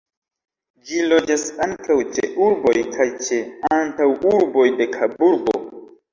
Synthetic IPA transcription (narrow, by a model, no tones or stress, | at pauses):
d͡ʒilo̞d͡ʒasaŋkawt͡ʃḛʔuɾbo̞jkʰajt͡ʃe̞antawuɾbo̞jde̞kʰabuɾbo̰